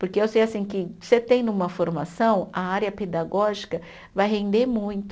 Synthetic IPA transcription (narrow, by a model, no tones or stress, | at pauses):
poɾkeewsejasĩkɪset̪ẽj̃nũmɐfoɾmasɐ̃w̃ɐaɾjɐped̪aɡɔʒikɐ | vajɦẽnd̪eɾmũj̃t̪ʊ